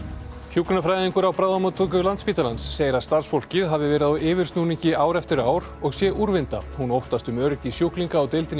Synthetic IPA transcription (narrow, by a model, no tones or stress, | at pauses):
hjukɾnafɾaːjðiŋkʏɾawpɾaːðamat̪ʰukʏlant̪spiːt̪alansːeːjɪɾaðst̪ar̥sfowl̥cɪðɦavðɪvɛːɾɪðaɔɪːvɪrst̪nuːniɲcɪaːwɾɛft̪ɪɾaːwɾ | ɔɣsjɛʔuɾvɪnt̪a̰hunowht̪ast̪ʏmœɾcɪsjuhkliŋkaːwt̪ejlt̪ɪn